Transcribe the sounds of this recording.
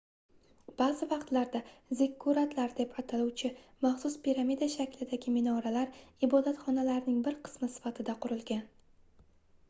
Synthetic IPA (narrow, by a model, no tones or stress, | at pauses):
b̥azɪvɑqt̪laɾd̪azɪkʰːuɾat̪laɾd̪e̞pʰat̪ʰaluwt͡ʃʰɪmɑχsʊspiɾamid̪aʃakʲlɪd̪aɡʲɪmɪnɒɾalaɾɪbɒd̪at̪χɒnalaɾnɪŋbɪɾqʰɨ̥smɪsɪ̥fat̪ʰɪd̪aqʰʊɾɪlˠɡʲan